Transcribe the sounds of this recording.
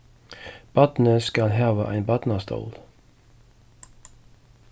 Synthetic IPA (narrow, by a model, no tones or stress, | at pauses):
b̥ɑt̪n̩əskɑlɦɑːʋəʔæ̰ɪnbɑt̪nɑst̪ʰo̰ːl